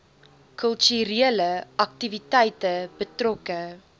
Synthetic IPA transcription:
kœlˠtyɾeələʔɐk̚tivitɛjtəbətrɔkə

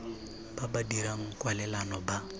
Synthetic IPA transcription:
b̥abadiɾaŋ̩kʼwalɛlanɔba

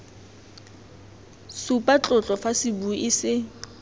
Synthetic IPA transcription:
supʼat͡ɬʼʊt͡ɬʼɔfasɪbuʔɪsɪ

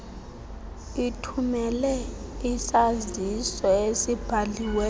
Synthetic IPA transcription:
itʰumɛlɛisazisɔesib̥ʱaliwɛ

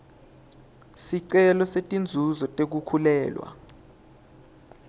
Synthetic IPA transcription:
siǀɛlɔsetʼind͡zʱuzɔtʼek̬ukʰulɛːlwa̰

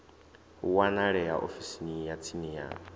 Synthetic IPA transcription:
wanaɺɛjaʔo̰fisinijat͡sʰinija̰ː

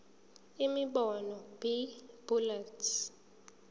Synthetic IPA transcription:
imiɓɔnɔbib̥ulatʰ

